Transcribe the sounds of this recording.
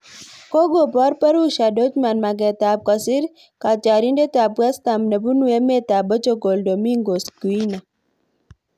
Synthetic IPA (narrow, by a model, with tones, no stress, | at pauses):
ko˦ɡo˨pɔ˦ɾpa˦ɾu˦ʃa˨do˦t͡ʃma˨nma˨ɡɛ˨t̪a˨p̚kɔ˨sɪ˦ɾ | ka˨t͡ʃa˨ɾi˦nde˦ta˨pwɛ˦st̪a˨mne˨bu˦nu˦e˦me˦t̪a˨bɔ˦t͡ʃo˦ɡo˨ldo˨mi˦ŋɡo˨sɡu˨i˦na˨